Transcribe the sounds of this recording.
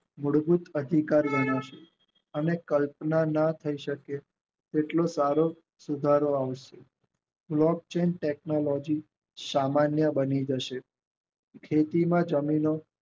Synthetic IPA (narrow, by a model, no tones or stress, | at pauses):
muɽbut̪əd̪ʱikaɾbəɽaʃe | ənekəlpnanat̪ʰəiʃəke | t̪eʈlosaɾo | sud̪ʱaɾoaʋʃe | blɔk̚t͡ʃenʈeknolɔd͡ʒi | samanjəbənid͡ʒəʃe | kʰet̪imãd͡ʒəmino